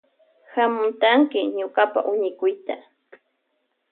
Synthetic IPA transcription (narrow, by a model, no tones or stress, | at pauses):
hamʊnt̪aŋkɪɲʊkapa̰ʔʊɲɪkʊjt̪a